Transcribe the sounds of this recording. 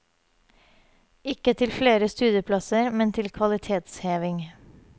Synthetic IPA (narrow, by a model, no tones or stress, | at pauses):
ɪkət̪ʰɪlfleːɾəst̪ʉːd̪jəpʰlɑsəɾmɛnt̪ʰɪlkʰʋɑlɪt̪ʰeːt̪sheːʋɪŋ